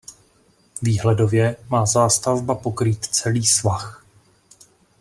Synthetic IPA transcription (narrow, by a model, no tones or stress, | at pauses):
viːɦlɛdo̞vjɛmaːzaːst̪avbapo̞kɾiːt̪t͡sɛliːsvax